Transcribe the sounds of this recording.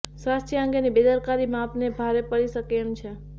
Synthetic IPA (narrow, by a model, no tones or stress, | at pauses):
swast̪ʰjəəŋɡenibed̪əɾkaɾimãːpnebʱaɾepəɭiʃəkent͡ʃʰe